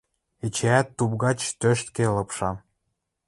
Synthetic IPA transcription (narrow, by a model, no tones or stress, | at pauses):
et͡ɕeæt̪ːub̚ɣɑt͡ɕt̪øʃt̪̚kelɤpʃɑm